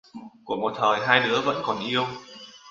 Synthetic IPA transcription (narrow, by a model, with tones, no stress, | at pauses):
ku˧˩əkmo˨˩t̚t̪ʰəː˨˩jɦaː˧jɗɨ˨˦əvə̰˧˥nkɔ˨˩nʔi˧əw